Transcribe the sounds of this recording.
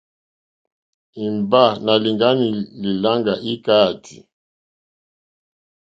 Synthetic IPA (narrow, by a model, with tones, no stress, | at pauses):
i˨mba˦˨na˨li˨ŋɡa˦ni˨li˨la˦ŋɡa˨ʔi˦ka˦˨tʰḭ˨